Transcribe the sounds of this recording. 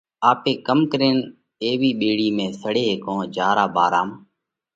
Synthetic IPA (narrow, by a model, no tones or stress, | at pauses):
aːpeːkəmkəɾeːn | eːʋiːɓeːɽiːmẽːsəɽeːɦːkõːd͡ʒaːɾaːbaːɾaːm